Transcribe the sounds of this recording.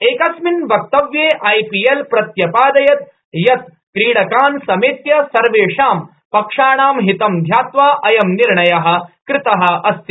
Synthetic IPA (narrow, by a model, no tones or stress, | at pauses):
eːkɐsminbʱɐk̚t̪ɐʋjeːʔaːjpijelpɾɐt̪jɐpaːd̪ɐjɐt̪̚ | jɐt̪̚ | kɾiːɽɐkaːnsɐmeːt̪jɐsɐɾʋeːʂaːm | pɐkʂaːɳaːmɦit̪ɐmd̪ʱjaːt̪ʋaːʔɐjɐmniɾɳɐjɐɦɐ̆kɾɪt̪ɐɦɐ̆ɐst̪i